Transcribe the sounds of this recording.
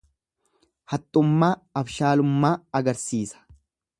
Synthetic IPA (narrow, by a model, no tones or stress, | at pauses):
hɐt̪ʼːʊmːaːɐfʃaːlʊmːaːɐɡɐɾsiːsɐ̥